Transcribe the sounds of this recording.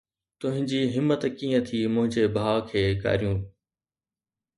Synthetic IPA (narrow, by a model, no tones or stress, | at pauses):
t̪ʊ̃ɦɪ̃ɲd͡ʑiːɦɪmːət̪kiːə̃t̪ʰiːmʊ̃ɦɪ̃ɲd͡ʑebʱaːkʰeːka̰ːɾijũː